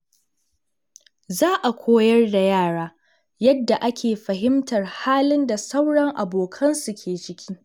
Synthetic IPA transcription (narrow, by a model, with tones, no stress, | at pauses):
zaː˦ʔa˨kʷʰoː˦jɐ˦rda˨jaː˦˨ɽaː˦ | jɐ˦dːa˨ʔa˦kʲʰeː˨ɸɐ˨ɦɪ˦mtɐ˨rhaː˦lɪ˦nda˨sɐ˦wɽɐ˦ŋʔa˨boː˨kʰɐ˦nsu˨kʲʰeː˨t͡ʃɪ˦kʲiː˦